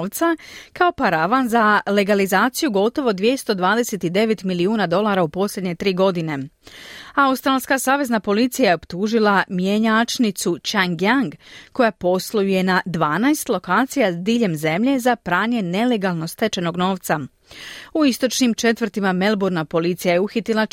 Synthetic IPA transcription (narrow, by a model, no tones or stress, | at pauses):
ʋt̪sakao̞paɾaʋanzale̞ɡalizaːt̪sijuɡo̞t̪o̞ʋo̞d̪ʋje̞st̪o̞d̪ʋaːd̪ese̞t̪id̪e̞ʋet̪miliuːnad̪o̞lˠaɾaupo̞slʎʲe̞d̪ɲe̞t̪ɾiːɡo̞d̪ine̞ | aust̪ɾaːlˠskasaːʋe̞znapo̞lit̪sijajeo̞pt̪uːʒilˠamjeɲat͡ʃnit̪sut͡ʃaŋɡjaŋɡko̞japo̞slˠujuje̞nad̪ʋaːnaest̪lˠo̞kaːt̪sijazd̪iːʎe̞mze̞mʎe̞zapɾaːɲe̞ne̞le̞ɡalˠno̞st̪e̞t͡ʃe̞no̞ɡno̞ːʋt̪sa | uist̪o̞t͡ʃnimt͡ʃe̞t̪ʋr̩ɾt̪imame̞lbuɾnapo̞lit̪sijajeuxit̪ilˠa